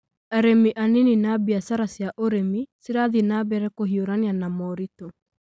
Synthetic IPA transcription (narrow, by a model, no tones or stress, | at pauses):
aɾemiʔanininabiasaɾasjaʔoɾemisiɾaðinabɛɾɛkoɦioɾanianamɔɾito